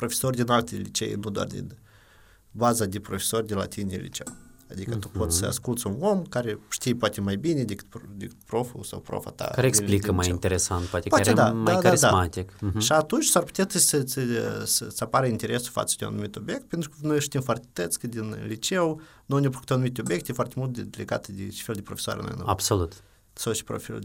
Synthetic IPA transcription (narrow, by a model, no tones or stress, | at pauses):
pɾo̞fʲesorʲd̪ʲinalt̪ʲelit͡ʃḛjnud̪oa̰rd̪ʲḛ | bazad̪epɾofʲe̥so̞rʲd̪ʲela̰t̪inḛlʲḭt͡ʃe̞̰w | ad̪ikət̪upo̞t̪sʲsəa̰skult̪sʲunomkaɾeʃt̪ijpat̪ʲemajbinʲed̪ʲekɨt̪d̪ekɨ̥t̪̚pɾo̞fṵsa̰wpɾo̰fa̰t̪a̰kaɾeekslikəmajint̪eɾesant̪pat̪epaed̪ad̪daaid̪amat̪ikʃaat̪unt͡ʃsarpu̥t̪ʲet̪ɨsəsəsəsapaɾəint̪ʲeɾʲesʊ̥fa̰t̪sə̥d̪ʲoa̰numʲit̪ʲobʲjek̚t̪̚pʲent̪ɾukənojʃt̪imfart̪ʲɪ̥t̪ət̪skɨd̪ʲinlʲit͡ʃew | nunʲepɾokt̪oanumit̪ʲobʲjek̚t̪ʲefwart̪ʲemulˠt̪d̪ʲɪd̪ʲelʲeɡa̰t̪ɨd̪ʲɪt͡ʃi̥felʲˠd̪ʲɪpɾofʲe̥soa̰ɾ̰ʲna̰no̰a̰bsolˠut̪ | sowʃi̥pɾo̰fʲḭlʲ